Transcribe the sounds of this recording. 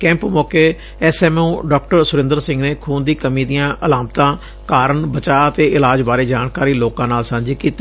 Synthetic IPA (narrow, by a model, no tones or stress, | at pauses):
kɛ̃ːmpmɔːkeː | ɛːsɛːmũːɖɔːk̚ʈəɾsʊɾɪ̃nd̪əɾsɪ̃ŋɡneːkʰuːnd̪iːkəmiːd̪ijãːʔəlaːmt̪ãː | kaːɾəɳbət͡ʃaːət̪eːʔɪlaːd͡ʒbaːɾeːd͡ʒaːɳkaːɾiːloːkãːnaːlsə̃nd͡ʒikiːt̪e